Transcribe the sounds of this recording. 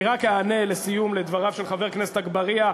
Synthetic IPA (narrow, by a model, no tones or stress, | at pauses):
ʁakaːne̞lesijumled̪vaʁavʃelχave̞ʁkneset̪aɡbaʁia